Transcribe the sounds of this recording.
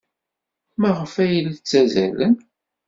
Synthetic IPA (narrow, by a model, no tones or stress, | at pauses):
mæʁəfæjəlt͡sːæzæ̰lən